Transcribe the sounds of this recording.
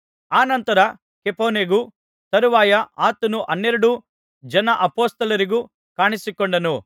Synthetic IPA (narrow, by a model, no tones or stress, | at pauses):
aːnɐnt̪ɐɾɐ | kepoːneɡu | t̪ɐɾuʋaːjɐʔaːt̪ɐnuʔɐnːeɾuɽu | d͡ʒɐnɐʔɐpoːst̪ɐlɐɾiɡu | kaːɳisikoɳɖɐnu